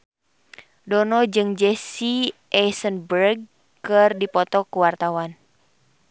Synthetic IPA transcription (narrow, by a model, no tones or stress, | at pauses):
dɔnɔd͡ʒɨŋd͡ʒɛsiʔɛsənbərɡ̚ | kɨrdipɔt̪ɔkuwart̪awan